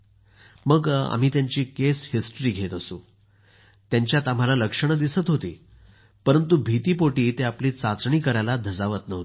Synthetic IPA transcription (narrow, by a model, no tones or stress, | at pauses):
məɡa̰m̤iːt̪jaɲt͡ɕiːkeshisʈɾiːɡʱet̪əsṵ̃ː | t̪jaɲt͡ɕjat̪am̤alaləkʂəɽ̃əd̪isət̪ɦot̪ḭː | pəɾənt̪̬ubʱit̪iːpoʈiːt̪eapliːt͡sat͡sɳiːkəɾajlad̪ʱəd͡zaʋət̪nəɦt̪